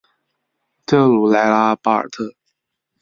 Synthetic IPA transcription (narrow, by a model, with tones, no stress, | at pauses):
t̪ʰə˥˩ŋlu˨˩la˧˥ɪla˥pa˥˩ə̰˨˩t̪ʰɤ˥˩